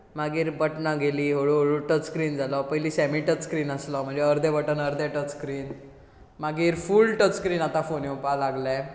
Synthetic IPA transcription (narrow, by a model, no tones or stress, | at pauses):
maɡiːɾbəʈnaɡeliːɦoɽuɦoɭuʈət͡sskɾiːnd͡zalɔpəɦjliːsɛmiʈət͡sskɾiːnəslɔm̤əɳd͡zeəɾd̪ebəʈənəɾd̪eʈət͡sskɾiːn | maɡiːɾfuːlʈət͡sskɾiːnat̪ãfoneupalaɡlɛ